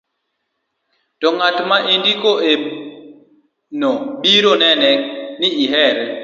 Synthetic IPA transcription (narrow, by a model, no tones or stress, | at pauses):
tɔŋatmaʔendikoʔe | noɓiɾonɛnɛnɪɪɦɛɾɛ